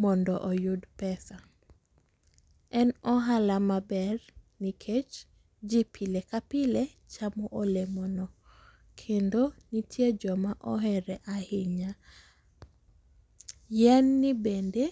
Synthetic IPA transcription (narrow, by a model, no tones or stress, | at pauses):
mɔndɔʔɔjʊdpɛsa | ɛnɔɦalamabɛrnikʰet͡ʃ | d͡ʒipʰilekapɪle | t͡ʃamɔʔolemɔnɔ | kʰendonitʰjed͡ʒɔmaʔɔɦɛɾɛʔahɪɲa | jɛnːibende